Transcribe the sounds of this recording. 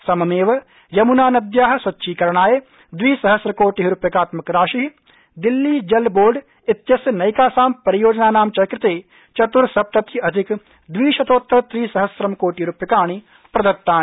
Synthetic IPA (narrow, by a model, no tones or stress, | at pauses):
sɐmɐmeːʋɐ | jɐmunaːnɐd̪jaːɦɐ̆sʋɐtːʃʰiːkɐɾɳ̃aːje | d̪ʋiːsɐɦɐsɾɐkoːʈiɦɾupjɐkaːt̪mɐkɾaːʃiɦ | d̪ɪlːiːd͡ʒɐlboːɾɖ | ɪt̪jɐsjɐnɐjkaːsaːmpɐɾijoːd͡ʒnaːnaːmt͡ʃɐkɾɪt̪eː | t͡ʃɐt̪uɾsɐp̚t̪ɐt̪jiɐd̪ʱɪk | d̪ʋiːʃɐt̪oːt̪ːɐt̪ɾiːsɐɦɐsɾɐmkoːʈiːɾupjɐkaːɳ̃i | pɾɐd̪ɐt̪ːaːni